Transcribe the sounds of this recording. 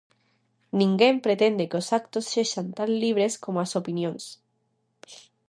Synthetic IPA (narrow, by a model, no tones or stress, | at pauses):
nĩŋɡempɾet̪end̪ekosak̚t̪osːeʃant̪anliβ̞ɾeskomoasopinjõŋs